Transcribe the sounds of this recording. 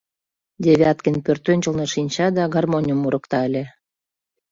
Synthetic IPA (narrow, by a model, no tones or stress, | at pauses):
d̪ʲevʲeɑt̪kənpørt̪ønʲt͡ɕə̆lneʃinʲt͡ɕɑd̪ɑɡɑrmonʲəmuɾə̆kt̪ɑəlʲe